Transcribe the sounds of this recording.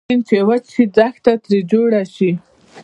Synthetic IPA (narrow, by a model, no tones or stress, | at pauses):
int͡ʃewat͡ʃʃid͡zaxt̪at̪ɾed͡ʒoɽaʃi